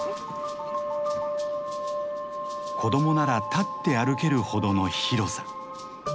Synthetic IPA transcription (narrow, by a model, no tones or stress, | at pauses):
kʰo̞d̪o̞mo̞naɾat̪at̪ːe̞aɾɯ̟ke̞ɾɯ̟ho̞d̪o̞no̞çiɾo̞sḁ